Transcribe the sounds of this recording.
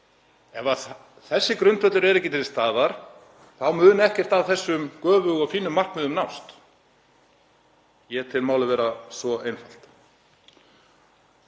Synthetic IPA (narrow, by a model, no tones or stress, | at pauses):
ɛva | θɛsːɪkɾʏnt̪vœt̪lʏɾɛɾɛcːɪt̪ʰɪlst̪aːðaɾ̥ | θawmʏːðʏnɛhcɛr̥t̪avθɛsːʏmkœːvʏɣɔɣfiːnːʏmːar̥kmɪðʏmnawst̪ | jɛt̪ʰɪlmawlʏvɛːɾasvɔejnfal̥t̪